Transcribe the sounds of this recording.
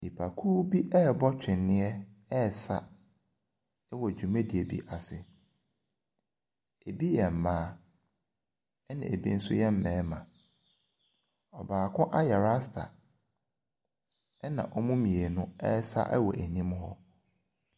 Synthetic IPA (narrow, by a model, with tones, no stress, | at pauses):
di˨pʰa˨kʰuː˦bi˦ʔɛ˦˨bɔ˦t͡ɕᶣɪ̃˨nːɪ̃˦ɛ˦ɛ˦˨sa̰˦ | ɛ˦wɔ˨d͡ʑᶣu˨mẽ˦di˨e˨bḭ˦ʔa˨sɪ˨ | e˨bi˦jɛ̃˨m̩˨mãː˦ | ɛ˦nã̰˨e˨bḭ˦n̩˦sʊ̰˦jɛ˦m̩˦mɛ̃ː˨˦mã˨ | ɔ˨baː˨kʰʊ̃˦ʔa˦jɛ˨ɾa˦stʰa̰˨˦ | nã̰˨ʔɔ˦mʊ̃˦mĩ˨e˨nʊ̃˦ɛ̰˦sa̰˦ʔɛ̰˦wɔ˨ʔæ˨nĩ˦m˦ɦɔ̰˦